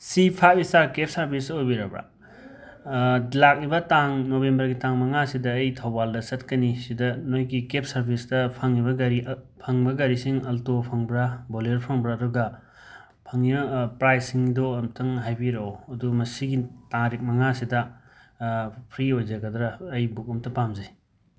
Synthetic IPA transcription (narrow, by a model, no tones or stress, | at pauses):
sipʰapistaɾkep̚ʰsɐɾbʰisɐojbiɾɐbɾa̰ | lak̚libɐtaŋnobembɐɾɡitaŋmɐŋasidɐːjtʰɐwbaldɐsɐtkɐnisidɐnojɡikep̚ʰsɐɾbʰisdɐpʰɐŋːibɐɡɐɾi | pʰɐŋbɐɡɐɾisiŋɐltopʰɐŋbɾaboleɾpʰɐŋbɾaːduɡɐ | pʰɐŋːibɐpɾajsiŋdoɐmtʰɐŋɦajbiɾɐwɐdumɐsiɡitaŋɾik̚mɐŋasidɐ | pʰɾiojzɐɡɐdɾɐːjbuk̚umtɐpamzɐj